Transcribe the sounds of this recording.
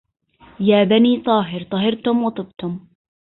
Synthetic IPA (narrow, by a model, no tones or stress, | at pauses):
jaːbaniːt̪ˤɑːɦɪɾt̪ˤɑɦɑɾt̪ʊmwɑt̪ˤɨb̚t̪ʊm